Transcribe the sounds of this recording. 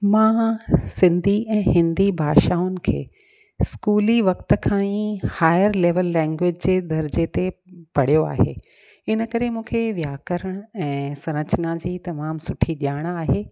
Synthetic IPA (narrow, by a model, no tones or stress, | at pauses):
mãːsɪ̃nd̪ʱiɛ̃ːɦɪ̃nd̪ibʱaːʃaːʊnɪ̆kʰḛː | skuːliʋɐkt̪ə̆kʰãːĩhaːɪjəɾleːʋəlːɛ̃ːŋɡʋɪd͡ʑd͡ʑeːd̪ɐɾd͡ʑet̪epɐɽ̤ijoa̰ːɦḛː | ɪnəkɐɾemũːkʰeʋjaːkəɾəɽ̃ɛ̃ːsɐ̃ɾ̃ət͡ɕənad͡ʑiːt̪ɐmaːmsʊʈʰiɗjaːɽ̃aːɦeː